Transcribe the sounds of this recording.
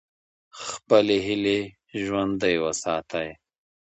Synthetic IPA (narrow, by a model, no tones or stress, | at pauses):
xpəleɦile | ʒwɐnd̪əjwɐsaːt̪aj